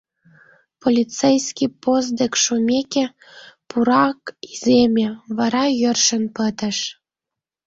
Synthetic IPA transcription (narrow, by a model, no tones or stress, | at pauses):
polʲit͡sejsʲkʲiposd̪ekʃumʲekʲe | puɾɑkizʲemʲeβɑɾɑjə̆rʃə̆npət̪ə̆ʃ